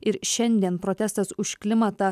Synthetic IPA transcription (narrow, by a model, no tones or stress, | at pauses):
ɪɾʃʲɛnʲd̪ʲiɛnpɾoːt̪ʲɛst̪ɐsʊʃklʲɪmɐt̪ɑː